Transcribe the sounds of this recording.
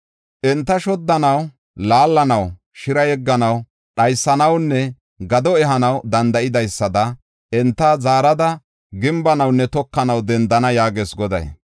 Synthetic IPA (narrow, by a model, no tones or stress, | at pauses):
ʔɛnt̪ːɐʃɔd̪ːɐnɐw | laːlːɐnɐw | ʃɪɾɐjɛɡːɐnɐw | ɗɐjsːɐnɐwnːɛ | ɡɐd̪ɔɛɦɐnɐwd̪ɐnd̪ɐʔɪd̪ɐjsːɐd̪ɐ | ɛnt̪ːɐzaːɾɐd̪ɐ | ɡɪmbɐnɐwnːɛt̪ɔkːɐnɐwd̪ɛnd̪ɐnɐjaːɡeːsɡɔd̪ɐ̰j